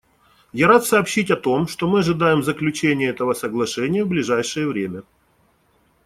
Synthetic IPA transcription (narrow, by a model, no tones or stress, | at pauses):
jaɾat̪sɐːpɕːitʲɐt̪o̞mʂt̪o̞mɨɐʐɨd̪ajɪmzəklʲʉt͡ɕenʲɪjəɛt̪əvəsəɡlˠɐʂɛnʲɪjəvblʲɪʐajʂɨjəvɾʲemʲə